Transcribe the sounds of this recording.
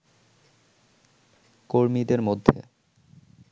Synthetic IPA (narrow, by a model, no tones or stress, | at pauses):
koɾmid̪eɾmod̪ʱːḛ